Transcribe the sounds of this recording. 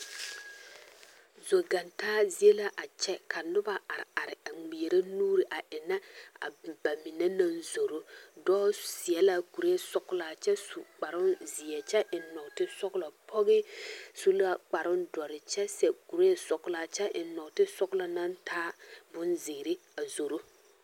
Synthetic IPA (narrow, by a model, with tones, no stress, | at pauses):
zo˨ɡa˨ntaː˦zi˨e˦la˦ʔa˨t͡ʃɛ˦kʰa˨nʊ˦ba˦a˨ɾɪ̰˨a˨ɾɪ˨a˨ŋ͡mi˨e˨ɾa˦nuː˦ɾɪ˨ʔa˨ʔɪ˨na˦a̰˨ba˨mi˨na˦na˦nzo˨ɾo˦dɔː˦sɪ˨ɛ˦la˦ku˨ɾe˦˨sʊ˦kʊ˦la˨t͡ʃɛ˦sʊ˨k͡pa˨ɾʊ˦nzɪ˨ɛ˨t͡ʃɛ˦ʔɪ˨nɔ˨ktɪ˦sʊ˦kʊ˦la˨pʰɔ˦ɣɪ˦sʊ˦la˦k͡pa˨ɾʊ˦ndɔ˨ɾɪ˨t͡ʃɛ˦sɛ˨ku˨ɾe˦˨sʊ˨kʊ˦la˨t͡ʃɛ˦ʔɪ˨nɔ˨ktɪ˦sʊ˦kʊ˦la˨na˦ntʰaː˦bʊ˦nzɪ˨ɡɪ˨ɾɪ˦a˨zo˨ɾo˦